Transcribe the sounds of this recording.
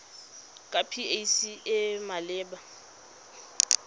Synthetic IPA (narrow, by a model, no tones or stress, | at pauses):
kʼapʰiejsiɪmalɪːba